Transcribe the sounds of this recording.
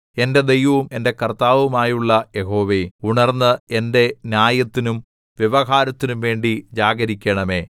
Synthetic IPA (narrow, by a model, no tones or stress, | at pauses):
e̞nde̞d̪e̞jʋɐʋume̞nde̞kɐrt̪aːʋumaːjuɭːɐje̞ɦo̞ːʋe̞uɳɐrnːɨe̞nde̞njaːjɐt̪ːinum | ʋjeʋɐɦaːɾɐt̪ːinumʋe̞ːɳɖid͡ʑaːɡɐɾikʲːɐɳɐme̞ː